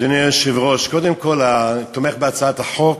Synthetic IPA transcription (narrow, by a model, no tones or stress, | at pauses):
d̪inejaʃivʁoʃkɔd̪ɛmkɔlat̪omeχbeat͡saat̪aħok